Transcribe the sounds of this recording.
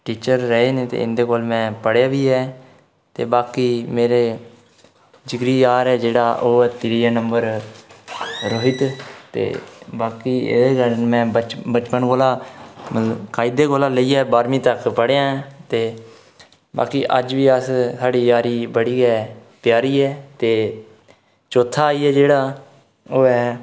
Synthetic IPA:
ʈiːt͡ʃəɾːəeːneːt̪ḛːɪ̰nd̪eːkoːlmɛ̃ːpəɽjaːʋiːɛː | t̪ḛːbaːkiːmeːɾeː | d͡ʒɪɡɾiːjaːɾɛːd͡ʒeːɽaːʔoːt̪ɪɾiːanəmbəɾ | ɾəɦɪt̪t̪ḛːbaːkiːḛeːɡəɾənmɛ̃ːbət͡ʃpənɡoːlaːmət̪ləbkaːid̪eːɡoːlaːləiːɛːbaːɾmĩːt̪əkpəɽejãːɛ̃ːt̪eː | ba̰ːkiːʔəd͡ʒʋiːəssʰaːɽiːjaːɾiːbəɽiːɡɛːpjaːɾiːɛːt̪eː | t͡ʃoːt̪ʰːaːiːɛːd͡ʒeːɽaː | oːɛː

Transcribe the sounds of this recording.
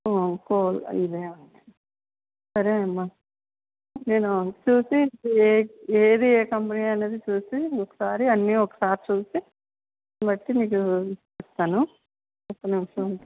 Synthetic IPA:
koːlḭd̪eːmɐnʈi | sɐɾeɐmːa | ne̞ːnut͡ʃuːsieːeːd̪ieːkɐmpiniɐne̞ːd̪it͡ʃuːsiɔkːɐ̥saːɾiɐnːiɔkːɐ̥saːɾit͡ʃuːsi | bɐʈːiniːkut͡ʃɛst̪aːnu | ɐpːɐniʋʂɐuɳʈ

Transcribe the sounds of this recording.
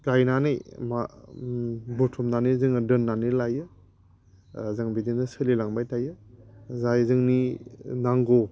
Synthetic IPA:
ɡajnanɯjma | butʰumnaniɾzɯŋdɯnːaniɾlajɯ | zɯŋbidinɯsɯlilaŋbajtʰajɯzajzɯŋninaŋɡo

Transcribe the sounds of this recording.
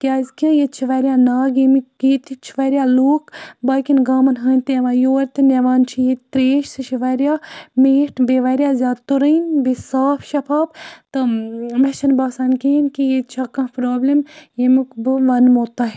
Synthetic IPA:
kʲjaːzkijet͡ʃʰiʋɐɾʲjaːnaːɡimikiːt̪ʰit͡ʃʰiʋɐɾjaːluːkbaːkʲinɡaːmɐnɦəːnʲt̪eʋãːjoːɾʲt̪ɨneʋaːnt͡ʃʰijet̪ɾeːʃsɨt͡ʃʰiʋɐɾjaːmeːʈʰbeʋɐɾjaːzjaːd̪t̪uɾəinbesaːfʰʃɐpʰaːbt̪ɨmɐʃɐnbaːsaːnkiinkijet͡ʃʰakɐ̃pɾoːblimjemukbɨʋɐnmoːt̪a

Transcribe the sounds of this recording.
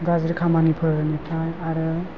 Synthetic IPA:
ɡazɾkʰamanipʰɯɾɯnipʰajaɾɯ

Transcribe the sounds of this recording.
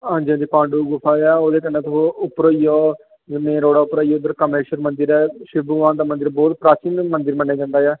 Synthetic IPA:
ɦãːnd͡ʒiãd͡ʒ̪iːpãːɳɖuːɡʊpʰaːaːoːd̪eːkənːẽːt̪ooːʊpɾoːiːɔː | d͡ʒɪmẽːɾoːɽaːʊpɾoːiːoːʊd̪əɾkəmeɾʃəɾmənd̪əɾɛːʃɪbuːʋãːnd̪aːmə̃nd̪əɾbɔːt̪pɾaːt͡ʃiːnmənd̪əɾmənːẽːd͡ʒãːnd̪aːjɛː

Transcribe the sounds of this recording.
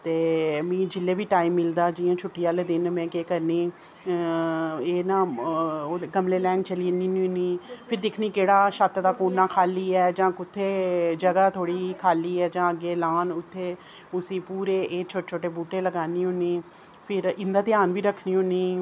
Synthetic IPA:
t̪eːmĩːd͡ʒɪlːeːʋiːʈaːiːmːɪld̪aːd͡ʒiːjãːt͡ʃʰʊʈːijaːleːd̪ɪnmɛ̃ːkeːkəɾniː | eːnãː | ɡəmleːlɛ̃ːŋɡt͡ʃəliːniːniːɦʊniːpʰɪɾd̪ɪkʰniːkeːɽaːʃət̪d̪aːkuːnːaːkʰaːliːɛːd͡ʒãːkʊt̪ʰːeːd͡ʒəɡaːt̪ʰoːɽiːkʰaːliːɛːd͡ʒãːəɡeːlaːnʊt̪ʰːeː | ʊsĩːpuːɾeːʔeːt͡ʃʰoːʈet͡ʃʰoːʈeːbuːʈeːləɡaːniːʊniː | pʰɪɾɪnd̪aːt̪ɪjaːnʋiːɾəkʰniːɦʊniː

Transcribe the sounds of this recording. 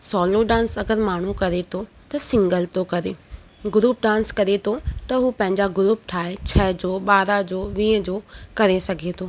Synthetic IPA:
sɔːloɖãːnsɐɡəɾmaːɳ̤ukɐɾet̪ʰo | t̪ɐsɪ̃ŋɡəlt̪okɐɾeː | ɡʊɾuːp̚ɖãːnskɐɾet̪ʰot̪ɐɦuːpɐ̃ɦɪ̃ɲd͡ʑaɡʊɾuːp̚ʈʰaːet͡ɕʰɐɦd͡ʑoːɓaːɾad͡ʑoːʋĩːəd͡ʑoːkɐɾesɐɡʱet̪ʰoː

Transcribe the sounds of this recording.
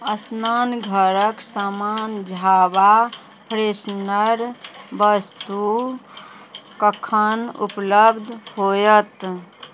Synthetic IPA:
əsnanɡʱəɾəksamand͡ʒʱaba | pɾesnəɾbəst̪u | kəkʰənṵpləbd̪ʱhojət̪

